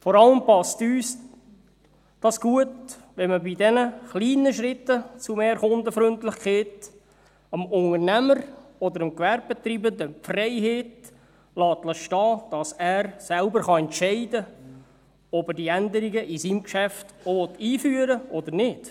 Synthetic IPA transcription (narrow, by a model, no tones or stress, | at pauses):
fɔɾɑləmpɑstyːs | d̥ɑsɡ̥uət | ʋɛməbidɛnəχliːnəʃɾɪtːət͡sumeːɾχʊndəfɾʏntlɪχkχeːt | əmʊŋəɾnæməɾɔd̪əɾəmkʋɛɾb̚bet̪ɾiːbənd̪əfrɛɪɦeːt | lɑːtləʃtɑːd̥ɑsæːɾsælbəɾχɑɛntʃɛɪdə | ɔbədiændəɾiɡəʔisimkʃæftɔʋɔtiːfyːəɾəɔd̪əɾnɪd̥